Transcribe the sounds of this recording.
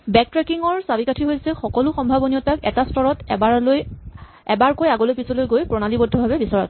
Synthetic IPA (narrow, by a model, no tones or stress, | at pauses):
bɛk̚tɹɛkiŋɔɹsabikatʰiɦojsɛxɔkɔlʊxɔmbʱabɔniɔtakɛ̰tastɔɹɔtaloj | ɛbaɹkojaɡɔlojpisɔlojɡojpɹɔnalibɔdʱɔbʱabɛbisɔɹɔ̰t̚